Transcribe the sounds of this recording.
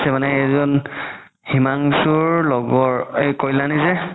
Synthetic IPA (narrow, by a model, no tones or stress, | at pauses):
sɛmanɛezɔn | himaŋsuɹlɔɡɔɹekɔjlanizɛ